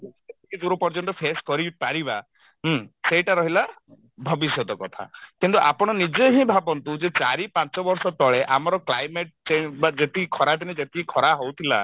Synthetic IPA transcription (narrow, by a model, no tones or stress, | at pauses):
et̪ikid͡ʒuɾupɔɾd͡ʒɔnt̪ɔpʰeskɔɾipaɾiba | ɦseʈaɾɔɦila | bʱɔbisjɔt̪ɔkɔt̪ʰa̰kint̪uʔapɔɽ̃ɔnid͡ʒeɦĩbʱabɔnt̪ud͡ʒet͡ʃaɾipãt͡ʃɔbɔɾsɔt̪ɔɭeʔamɔɾɔklajmeʈ̚t͡ʃeɲbad͡ʒet̪ikʰɔɾat̪iñid͡ʒet̪iikʰɔɾaɦowt̪ʰila̰